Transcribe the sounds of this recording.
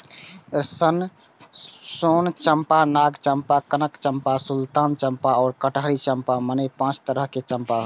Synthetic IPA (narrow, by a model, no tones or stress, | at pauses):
ɾsən | sont͡ʃəmpanaɡt͡ʃəmpakənəkt͡ʃəmpasult̪ant͡ʃəmpaɔːɾkəʈɦəɽit͡ʃəmpamənəjpãt͡ʃt̪əɾəɦket͡ʃəmpaɦ